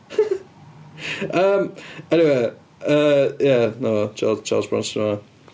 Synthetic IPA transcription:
ʔʌ̃mɛniweɪ | ʌjænoʊwot͡ʃʰɑ̰ːlˠz̥t͡ʃʰɑ̰ːlˠzbɹɑ̰̃nsma

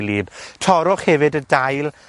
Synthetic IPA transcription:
liːb̥tʰɔɾʊχhɛvɨdədajlˠ

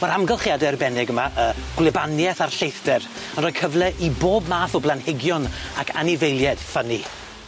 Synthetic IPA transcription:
vɛɾamɡɛlˠχjadɛrbɛnɪɡəmaʔəːɡ̥wlɪbanjɛθarɬejθd̥ɛr | ənrɔːkʰəvlˠɛʔiboːbmaːθɔblˠanhɪɡjɔnakʰa̰nɪvejlˠjɛd̥fəni

